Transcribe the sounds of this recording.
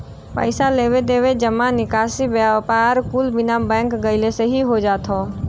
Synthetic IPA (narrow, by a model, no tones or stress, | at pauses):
pə̰ɪsaleːʋed̪eːʋed͡ʒəmãnɪkaːsibpaɾkuːlbɪnabɛ̃ːŋkɡəɪlesəɦiɦod͡ʒaːt̪ʰɔː